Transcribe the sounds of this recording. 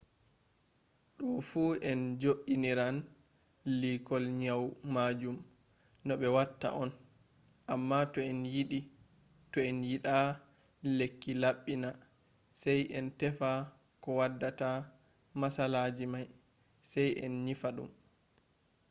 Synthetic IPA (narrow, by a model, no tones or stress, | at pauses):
ɗɔfuɛnd͡ʒoʔiniɾan | likɔlɲawmaːd͡ʒum | nɔɓɛwatːa̰ʔɔn | ʔamːatɔɛnjiɗi | tɔɛnjiɗa | lekːilaɓːina | sɛjʔɛntɛfa | kɔwadːata | masalaːd͡ʒimaj | sɛjɛ̰nɲifaɗṵm